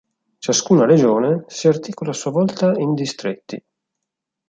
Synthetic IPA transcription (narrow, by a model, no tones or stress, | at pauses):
t͡ʃaskuːnaɾed͡ʒoːnesiart̪iːkolaːsuːavɔlt̪aind̪ist̪ɾet̪ːḭ